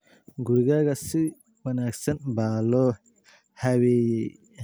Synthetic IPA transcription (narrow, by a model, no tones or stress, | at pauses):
ɡʊɾɪɣaːɣɐsɪ | wɐnaːɡsɐnbaːlɔː | hɐwɛːjɛj